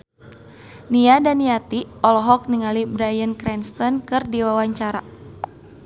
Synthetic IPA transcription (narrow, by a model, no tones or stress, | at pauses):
niadaniat̪iʔɔlɔɦɔk̚niŋalibɾajənkɾɛnst̪ɔnkɨrdiwawaɲt͡ʃaɾa̰